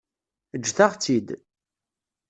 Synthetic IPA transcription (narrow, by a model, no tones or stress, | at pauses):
əd͡ʒːθaʁt͡sːid̪